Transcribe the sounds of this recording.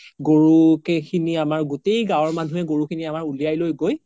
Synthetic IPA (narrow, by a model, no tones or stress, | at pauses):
ɡoɹukɛkʰiniamaɹɡutejɡãwɔɹmanʱuɛɡoɹukʰiniamaɹulijajlojɡoj